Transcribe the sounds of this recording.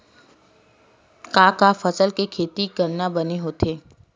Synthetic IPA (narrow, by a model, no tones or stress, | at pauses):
kaːkafəsəlkekʰeːt̪ikəɾnabɐneɦot̪ʰeː